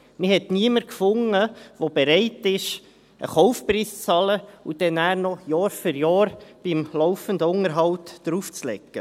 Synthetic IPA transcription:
mɪhɛtniəməɾkfʊŋːəʋob̥ɛɾɛɪtɪʃ | ʔə̰χɔʊfpriːst͡sɑləud̥ɛnæːɾnɔjɑːɾfʏɾjɑːɾb̥imlɔʊfənd̪əʊŋəɾɦɑwtd̥ɾuːft͡slɛ̰kːə

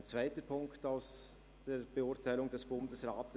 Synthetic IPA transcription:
nt͡sv̥aɪtəpʰʊŋktaʊs | d̥eːɾb̥eʊtʰaɪlʊŋdɛsb̥ʊndəsʁaːtə

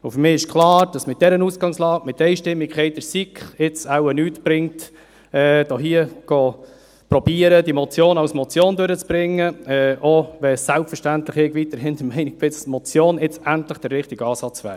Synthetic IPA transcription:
ʊfʏɾmɪːɪʃkʰlɑːɾd̥ɑsmɪt̚d̥ɛɾənuːsɡ̥ɑŋslɑːkmɪtːɛɪʃtɪmːikχɛɪd̥əɾsikχɪt͡sawənyːtb̥ɾɪŋt | ɛːd̥oɦiəɡ̥ɔ | pɾɔb̥iːəɾədimɔt͡sjoːnɑwsmɔt͡sjoːndøɾət͡sb̥ɾɪŋːəɛʔɔʋɛsːælpfəʃtæntləχɛkʋit̪əɾɦɪnd̪əmɛɪnɪɡ̥̚bɪt͡smɔt͡sjoːnɪt͡sæntləχd̥ərːɪχtiɡɑːsɑt͡sʋæ̰ːɾdə

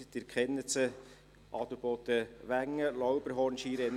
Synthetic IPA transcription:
d̥̪ɪɾkχɛnːət͡sə | ʔɑt̪ubot̪əʋæŋːəlɔwbəɾɦɔːɾnʃiːɾɛn

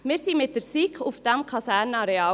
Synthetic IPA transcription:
meɾsiːmet̪əɾsiːkʰʊfd̪̥æmkʰɑsæːɾnəɑɾeɑ

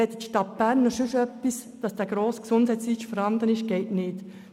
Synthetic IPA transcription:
ɛt̪it̪ʃtɑt̚b̥æːɾnːɔʃʉʃœpːisd̥̪ɑsd̥̪æɡ̥ɾoːsksʊnd̥hɛɪt͡siːt͡ʃfɔɾhɑnd̪ənɪʃɡ̥ɛɪtnɪːt

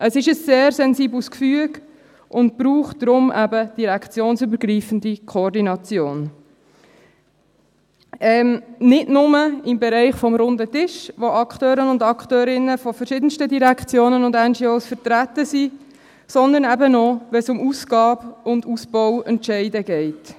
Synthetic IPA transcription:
ʔəsɪʃəsːeːɾsɛnziːbluskfyəɡ | ʔʊnt̚b̥ɾuːχtd̥ɾʊmʔæbəd̥iɾɛkʰt͡sjoːnsybəɾɡɾiːfən̩dikʰχɔɔɾdinɑt͡sjoːn | ɛmnɪdnʊməɪmbɛɾɛɪχfɔmɾʊndətɪʃʋoʔɑkχtøːɾənʊndɑkχtøːɾɪnːəfɔfəɾʃɪdən̩stədiɾɛkt͡sjoːnənʊndɛnd͡ʒiːoːsfəɾtɾætːəsi | sɔnd̪əɾnɛbənɔʋɛsʊmusɡɑːbʊndusbɔwɛntʃɛɪdəɡɛɪt

